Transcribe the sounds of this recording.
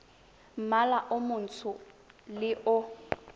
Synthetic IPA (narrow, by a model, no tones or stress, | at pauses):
m̩malaʔʊmʊn̩tʰʊ | lɪʔʊ